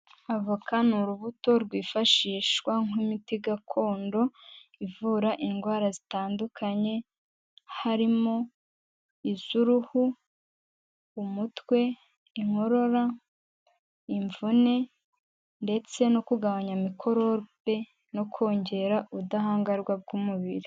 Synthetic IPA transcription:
avukʰanuɾuβuto̞ɾɡwiːfaʃiːʃwaŋumitiɡakʰo̞ːndo̞ivuɾaʔiŋɡwaːɾazitaːndukʰaɲe̞ | haɾimo̞ | iz̥uɾuhu | umutwe̞ | iŋ̥o̞ɾo̞ɾa | iɱvune̞ | nde̞t͡se̞nokuɡaβaɲamikʰo̞ɾo̞be̞ | nokʰo̞ːɲɟe̞ɾaʔudahaːŋɡaɾɡwab̚ɡuːmuβiɾi

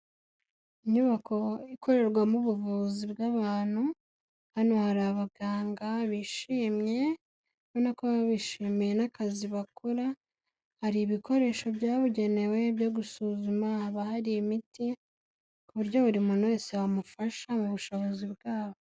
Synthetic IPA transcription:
iɲuβakʰo̞ikʰo̞ɾe̞ɾɡwamuβuvuːzibɡaβaːn̥hu | hanohaɾaβaɡaːŋɡaβiʃiːmje̞ | βonakoβaβiʃiːmijenakaziβakʰoɾa | haɾiːβikʰo̞ɾe̞ːʃo̞bjaːβuɟe̞ne̞we̞bjoɡusuzumahaβahaɾiimiti | kuβuɾɟo̞βuɾimunwe̞sewamufaʃamuβuʃo̞βo̞zibɡaːβo

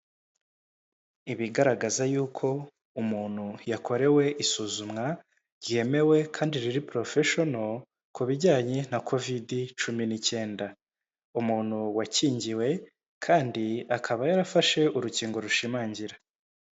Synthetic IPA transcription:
iβiɡaɾaɡazajuːkʰo̞ | umuːn̥hujakʰo̞ɾe̞we̞ʔisuːzumŋa | ɾɟie̞me̞we̞kʰaːndiɾiɾipɾo̞feʃo̞no̞ | kuβiɟaːɲe̞nakʰo̞vidit͡ʃuminice̞ːnda | umuːn̥huwaciːɲɟiwe̞ | kʰaːndiakʰaβajaɾafaʃe̞uɾuciːŋɡo̞ɾuʃimaːɲɟiɾa

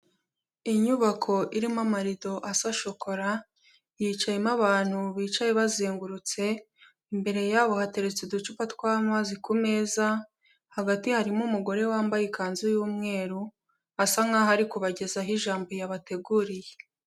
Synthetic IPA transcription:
iɲuβakʰo̞ʔiɾimamaɾido̞ʔasaʃo̞kʰo̞ɾa | jiːt͡ʃajemaβaːn̥huβiːt͡ʃajeβazeːŋɡuɾut͡se̞ | mbe̞ɾe̞jaːβo̞hate̞ɾe̞t͡sedut͡ʃupatkwamaːzikume̞za | haɡatihaɾimumuɡo̞ɾe̞waːmbajekaːnzujuːmŋe̞ːɾu | asaŋahaɾikuβaɟe̞zaɦiʒaːmbo̞jaβate̞ɡuɾije

